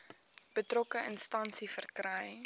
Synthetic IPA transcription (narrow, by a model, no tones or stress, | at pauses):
b̥ətrɔkəənstɐnsifərkrəj